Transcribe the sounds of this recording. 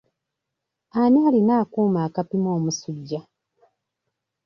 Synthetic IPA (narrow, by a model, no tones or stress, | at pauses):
anaːlinaːkuːmaːkapimo̞ːmusuɟːa